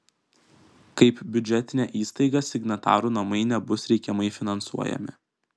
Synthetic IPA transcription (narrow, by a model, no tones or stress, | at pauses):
kɐɪpbʲʊd͡ʒʲɛt̪ʲɪnʲæːʔiːst̪ɐɪɡɑsʲɪɡnɐt̪ɑ̰ːɾuːnɐmɐɪnʲɛbʊsɾʲɛɪkʲɛmɐɪfʲɪnɐnsṵɔjɛ̰mʲɪ̰